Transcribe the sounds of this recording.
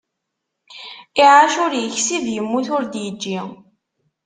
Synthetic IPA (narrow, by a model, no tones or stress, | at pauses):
iʕaʃʊɾjəçsiðjəmːuθʊɾd̪jəd͡ʒːi